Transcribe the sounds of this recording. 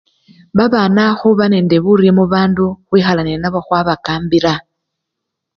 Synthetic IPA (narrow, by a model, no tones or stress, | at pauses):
βaβaːnaxuβane̞ːnde̞βuɾimuβaːnduxwiːxalaninaβoxwaβakaːmbiɾa